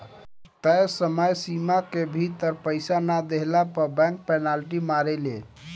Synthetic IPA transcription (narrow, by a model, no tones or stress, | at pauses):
t̪əjsəməjsimakebʱit̪əɾpəjsanad̪eɦlapəɾbɛ̃ŋk̚pɛnalʈimaɾele